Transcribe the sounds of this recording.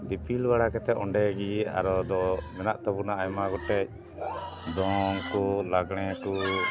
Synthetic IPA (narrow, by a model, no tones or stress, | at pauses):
d̪ipʰilbaɽakɛt̪ɛɔ̰ɳɖɛɡia̰ɾɔd̪ɔmɛnaʔt̪ɔbunaːjmaɡɔʈɛc̚ | d̪ɔŋkɔlaɡɽ̃ɛkɔ